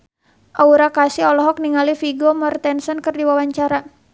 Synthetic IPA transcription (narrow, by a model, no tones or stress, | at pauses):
ʔauɾakasiɔlɔɦɔk̚niŋalifiɡomɔrt̪ɛnsɔnkɨrdiwawaɲt͡ʃaɾa